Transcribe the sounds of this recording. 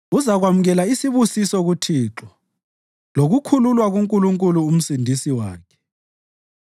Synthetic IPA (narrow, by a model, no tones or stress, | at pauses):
uzaɣwamuɣɛlaisiβusisɔɣutʰiːǁɔ | loɣukʰululwaɣuŋkʼuluŋkʼuluːm̩sindʱisiwa̰ːkʰɛ̥